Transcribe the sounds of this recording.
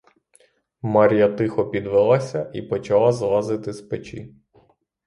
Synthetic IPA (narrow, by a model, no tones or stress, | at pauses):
mɑɾʲijɐt̪ɪxɔpʲid̪ʋɛlˠɑsʲɐʔipɔt͡ʃɐlˠɑzlˠɑzɪt̪ɪspet͡ʃḭ